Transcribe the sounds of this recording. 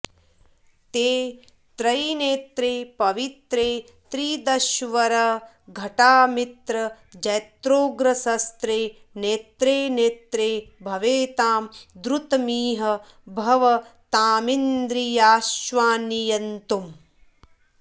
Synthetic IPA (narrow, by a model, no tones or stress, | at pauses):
t̪eː | t̪ɾɐjneːt̪ɾeːpɐʋit̪ɾeː | t̪ɾiːd̪ɐʃʋɐɾɐ | ɡʱɐʈaːmit̪ɾɐ | d͡ʒɐjt̪ɾoːɡɾɐsɐst̪ɾeː | neːt̪ɾeːneːt̪ɾeːbʱɐʋeːt̪aːmd̪ɾut̪ɐmiːɦɐ | bʱɐʋɐt̪aːmind̪ɾijaːʃʋaːnijɐnt̪um